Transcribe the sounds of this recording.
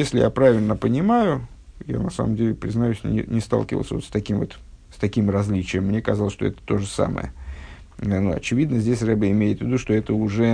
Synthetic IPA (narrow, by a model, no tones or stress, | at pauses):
jesʲlʲɪja̰pɾavʲɪlʲnəpənʲɪmajʊ | ja̰nɐsa̰mə̰mdʲelʲɪpɾʲɪznɐjʉsʲnʲɪ̰nʲɪst̪a̰lˠkʲɪvə̰lˠsəvo̞t̪st̪ɐkʲimvo̞̰t̪ | st̪ɐkʲimrɐzʲlʲit͡ɕɪjəmːnʲekɐzalˠəsʂt̪oɛt̪ə̥t̪o̞ʐɨsa̰mə̰jə̰ | nuɐ̰t͡ɕɪvʲid̪nəzʲdʲesʲrɛbəɪmʲejɪt̪vʲɪd̪uʂt̪o̞ɛt̪əʊʐɛ